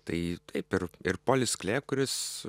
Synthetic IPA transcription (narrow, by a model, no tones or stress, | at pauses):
t̪ɐɪt̪ɐɪpɪɾɪɾpoːlʲɪsklʲeːkʊɾʲɪs